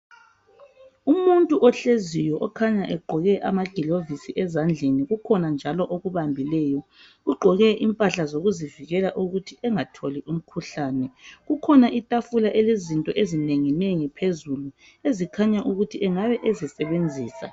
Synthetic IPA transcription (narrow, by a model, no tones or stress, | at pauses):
umuntʼuʔɔɬezijɔʔɔkʰaɲaʔɛɡ͡ǃʱɔɣɛʔa̰maɡ̥ʱilovisiʔɛzand͡ɮʱeniɣukʰɔnand͡ʒʱalɔʔoɣuβambʱilɛːjɔ | ɣuɡ͡ǃʱɔɣɛʔimpʼaɬazoɣuziviɣɛlaʔuɣutʰiʔɛŋatʰoliʔum̩kʰuɬaːnɛɣukʰɔnaʔitʼafulaʔɛlezintʼɔʔezineŋineŋipʰezulu | ezikʰaɲaʔuɣutʰiʔɛŋaβɛʔezisɛβend͡zʱiːsa̰